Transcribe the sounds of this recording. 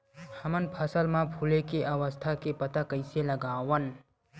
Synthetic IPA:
həmənpʰəsəlmãpʰulekeʔəwəst̪ʰakepət̪akəɪseləɡaːwən

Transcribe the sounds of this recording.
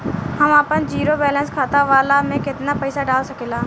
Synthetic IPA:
hɐmaːpənd͡ʒiːɾobɛːlɛ̃nskʰaːt̪aʋaːlamẽkɪt̪napɐɪsaɖaːlsɐkeːlaː

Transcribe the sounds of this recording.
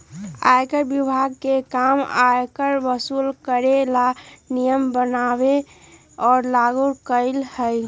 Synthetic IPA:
a̰jkəɾbibʱaɡ̚kekama̰jkəɾbəsulkəɾelanijəmbənabe | ɔːɾlaɡuɾkəɪlhəɪ

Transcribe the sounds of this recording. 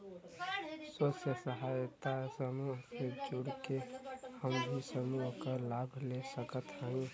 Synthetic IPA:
səsjəsəɦajt̪asəmuɦked͡ʒuɽkehəmbʱisəmuɦkəɾlabʱlesəkət̪ɦãĩ

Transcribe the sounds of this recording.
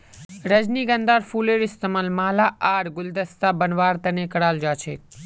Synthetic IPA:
ɾəd͡ʒniːɡɐnd̪aːɾfuːleɾɪst̪əmaːlmaːlaʔaːɾɡʊld̪əst̪abənʋaːɾt̪ɐnekɐɽaːld͡ʒaːt͡ʃʰeː

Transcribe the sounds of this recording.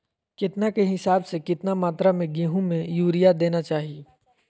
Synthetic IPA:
kɪt̪nakeɦɪsaːbsekɪt̪namaːt̪ɾamẽɡĩːɦũmẽjuːɾijad̪eːnat͡ʃaːɦieː

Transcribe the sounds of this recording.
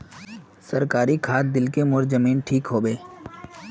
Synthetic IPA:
sɐɾkaːɾikʰaːt̪̚d̪ɪlkemʊɾzəmiːnʈʰiːkɦoːbeː

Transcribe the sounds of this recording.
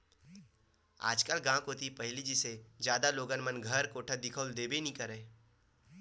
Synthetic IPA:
a̰ːd͡ʒkəlɡãːkoːt̪ipɐɦɪlid͡ʒised͡ʒjaːd̪aloːɡənmənɡʱɐɾkoːʈʰəd̪ɪkʰəld̪eːbenĩkəɾeː

